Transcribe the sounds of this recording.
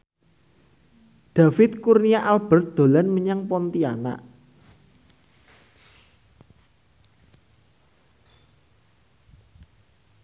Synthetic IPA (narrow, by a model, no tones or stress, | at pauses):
d̪̥a̤fɪt̪̚kurnijaʔalb̥ə̤rt̪̚d̪̥o̤lanməɲaŋpɔnt̪ia̰na̰ʔ